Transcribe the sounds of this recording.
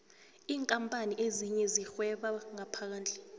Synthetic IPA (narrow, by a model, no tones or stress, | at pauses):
iːŋkʼampʼaniʔeziɲɛzixwɛɓaŋapʰak̬aːnd͡ɮʱʼɛ̥